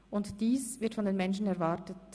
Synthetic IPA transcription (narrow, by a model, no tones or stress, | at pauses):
ʔʊntd̥iːsvɪɐtfɔndeːnmɛnʃn̩ɛɐvaɾtət